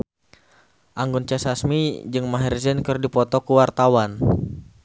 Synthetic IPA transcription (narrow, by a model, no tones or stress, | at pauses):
ʔaŋɡunt͡ʃasasmid͡ʒɨŋmaɦɛrzɛnkɨrdipɔt̪ɔkuwart̪awan